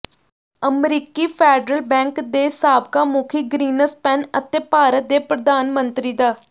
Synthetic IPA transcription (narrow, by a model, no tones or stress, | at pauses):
əmɾiːkiːpʰɛːɖɾəlbɛ̃ːŋkd̪eːsaːb̚kaːmuːkʰiːɡɾiːnəspɛnət̪eːpaːɾət̪̚d̪eːpɾəd̪aːnmənt̪ɾiːd̪aː